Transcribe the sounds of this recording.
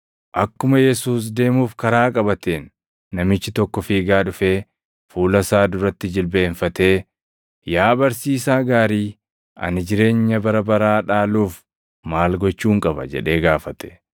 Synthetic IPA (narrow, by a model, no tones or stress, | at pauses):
ʔɐkːʊmɐjɛsuːs̬d̪e̞ːmuːfkɐɾaːkʼɐbɐt̪eːnː | ɐmɪt͡ʃːɪt̪ɔkːɔfiːɡaːᶑʊfeː | fuːlɐsaːd̪ʊɾɐt̪ːɪd͡ʒɪlbe̞ːɱfɐt̪e̞ː | jaːbɐɾsiːsaːɡaːɾiː | ɐ̰nɪd͡ʒɪɾe̞ːɲːɐbɐɾɐbɐɾaːᶑaːluːf | maːlɡɔt͡ʃːuːŋkʼɐbɐ̰d͡ʒɛ̰ᶑe̞ːɡaːfɐt̪ɛ̥